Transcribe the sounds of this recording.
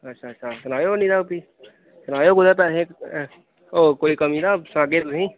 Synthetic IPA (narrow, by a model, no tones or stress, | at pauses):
ətːʃʰaːtːʃʰasɐnaːjoniɾapi | sənaːjoɡʊd̪apɛːɾẽ | okoːikəminasãːɡet̪ʊɦĩ